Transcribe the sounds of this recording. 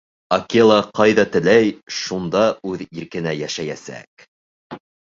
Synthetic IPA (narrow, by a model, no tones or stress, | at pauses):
ɐkʲelˠɑqɑjðɑt̪ɘ̆læjʃund̪ɑʉðiɾkɘ̆næjæʃæjæsæ̰k